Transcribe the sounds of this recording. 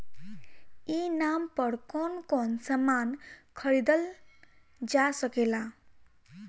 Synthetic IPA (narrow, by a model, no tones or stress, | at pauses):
inampʌɽkonkonsʌmankʰʌɾid̪ʌl | d͡zasʌkela